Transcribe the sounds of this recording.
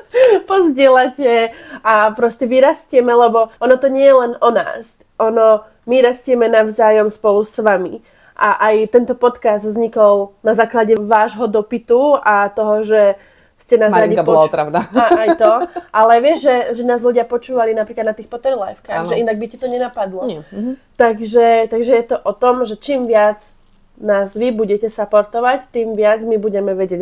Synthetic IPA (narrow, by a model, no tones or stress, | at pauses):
pɔzɟɪɛlacɛapɾɔscɛʋiɾascɪɛmɛlɛbɔɔnɔt̪ɔɲɪɛjɛlɛnɔna̰ːs | ʔɔnɔ | miɾascɪɛmɛnaʊzaːjɔmspɔlusʋami | ʔaʔajt̪ɛnt̪ɔpɔt̪kazd̪vzɲikɔlˠnazaːklaɟɛʋaːʒɦɔd̪ɔpit̪uat̪ɔɦɔʒɛ | scɛnaːzɾaibɔɔlaɔt̪ɾaʋnaaajt̪ɔʔalɛʋɪɛʒʒɛʒɛnaːzluɟɪapɔt͡ʃuːʋalinapɾiklad̪nat̪iːxpɔt̪ɛɾlɛ̰fkaɣʒɛʔinaɡ̚bicɛt̪ɔɲɛnapad̪lɔt̪aɡʒɛt̪aɡʒɛjɛt̪ɔʔɔt̪ɔmʒɛt͡ʃiːmʋɪad͡z | naːzʋibuɟɛcɛsapɔɾt̪ɔʋact̪iːmʋɪad͡zmibuɟɛmɛʋɛɟɛɟ